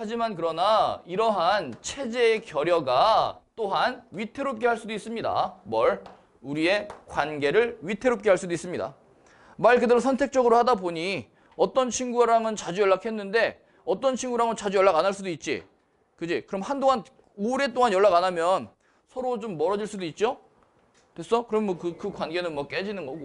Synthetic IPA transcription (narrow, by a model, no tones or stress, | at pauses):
had͡ʑimankɯɾʌnaiɾʌɦant͡ɕʰe̞d͡ʑe̞ːkjʌɾjʌɡat͈oɦanɥitʰe̞ɾop̚k͈e̞ɦaɭs͈udois͈ɯmɲida̰mʌɭ | uɾie̞kwanɡe̞ɾɯɭɥitʰe̞ɾop̚k͈e̞ɦaɭs͈udois͈ɯmɲida̰ | maɭkɯdeɾosʰʌntʰe̞k̚t͡ɕ͈ʌɡɯɾohadaboɲi | ʌt͈ʌnt͡ɕʰinɡuaɾaŋɯnt͡ɕad͡ʑujʌɭːakʰɦe̞nːɯnde̞ | ʌt͈ʌnt͡ɕʰinɡuɾaŋɯnt͡ɕad͡ʑujʌɭːaɡanaɭs͈udoit̚t͡ɕ͈ḭ | kɯd͡ʑikɯɾʌmhandoŋan | oɾe̞t͈oŋanjʌɭːaɡanamjʌn | sʰʌɾod͡ʑomːʌɾʌd͡ʑiɭs͈udoit̚t͡ɕ͈o | tes͈ʌkɯɾʌmemwʌkɯkɯkwanɡe̞nɯnmwʌk͈e̞d͡ʑinɯnɡʌɡo